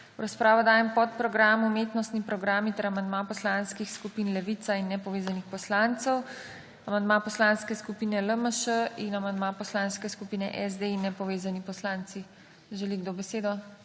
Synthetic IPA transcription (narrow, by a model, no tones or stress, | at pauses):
wɾaspɾaːʋɔd̪aːjɛmpɔt̪̚pɾɔɡɾaːmumeːt̪nɔst̪nipɾɔɡɾaːmit̪ɛɾamand̪mapɔslanskixskupinlɛʋit̪sainːɛpɔʋeːzanixpɔslant̪sɔw | amand̪mapɔslaːnskɛskupiːnɛləməʃəinamand̪mapɔslaːnskɛskupinɛ̰ʔɛzd̪einːɛpɔʋeːzanipɔslant̪si | ʒɛliɡd̪obɛseːd̪ɔ